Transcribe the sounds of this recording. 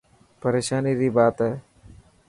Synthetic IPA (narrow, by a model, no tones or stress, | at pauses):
pəɾeːʃaːniːɾiːbaːt̪ɦɛː